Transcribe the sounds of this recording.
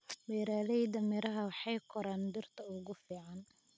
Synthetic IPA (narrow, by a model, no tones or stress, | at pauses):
wɛːɾaːðɛjd̪ɐmɪɾɐɦɐwɑħɑjkʰɔɾaːnb̪ɪrt̪ʰɐʊɣʊfiːʕɑn